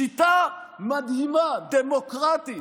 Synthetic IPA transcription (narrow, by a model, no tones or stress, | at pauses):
it̪a | mad̪himad̪emɔkɾat̪i